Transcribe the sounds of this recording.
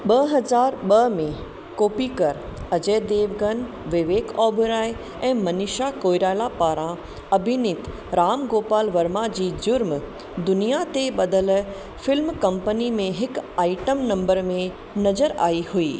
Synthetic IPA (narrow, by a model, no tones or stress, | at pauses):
ɓɐɦɐzaːɾɓɐmẽ | koːpikɐɾɐd͡ʑeːd̪eːʋɡən | ʋɪʋeːkɔːbʱɾaːj | ɛ̃ːmɐnɪʃakoːjɾaːlapaːɾã | ɐbʱɪnɪt̪ | ɾaːmɡoːpaːlʋɐɾmad͡ʑiːd͡ʑʊɾm | d̪ʊnijat̪eɓɐd̪əl | fɪlmkɐ̃mpənimẽɦɪkaːɪʈəmnɐ̃mbəɾmẽ | nɐzəɾa̰ːihuiː